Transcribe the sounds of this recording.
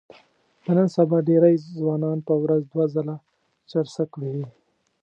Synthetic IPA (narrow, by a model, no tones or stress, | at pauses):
d̪̥ənənsabɑɖeɾajzwɑnɑnpəwɾazd̪wazala | t͡ʃaɾsəkwii